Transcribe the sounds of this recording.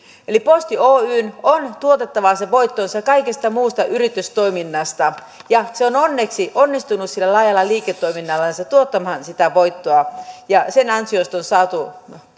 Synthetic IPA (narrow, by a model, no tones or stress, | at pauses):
elipost̪ioːyːnont̪uot̪et̪ːɑʋɑseʋoit̪ːonsɑkɑikest̪ɑmuːst̪ɑʔyrit̪yst̪oiminːɑst̪ɑ | jɑseononːeksiʔonːist̪unussilːælɑːjɑlːɑliːket̪ːoiminːɑlːɑnsɑt̪uot̪ːɑmhɑnsit̪æʋoit̪ːoɑjɑsenɑnsiost̪onsɑːt̪u